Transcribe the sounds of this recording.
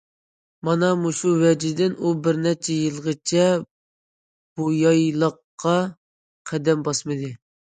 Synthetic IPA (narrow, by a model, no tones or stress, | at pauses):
mɑnɑmuʃuwɛd͡ʒid̪ɪnubɪɾnɛt͡ʃʰɛjɨlˠʁət͡ʃʰɛ | b̥ujɑjlˠəqːɑ | qʰæd̪ɛmbɑsmɨd̪ɨ